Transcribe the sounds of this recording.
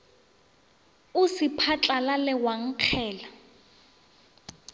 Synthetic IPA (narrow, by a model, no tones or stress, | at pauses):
usipʰat͡ɬʼalalɛwaŋ̩q͡χʰɛːla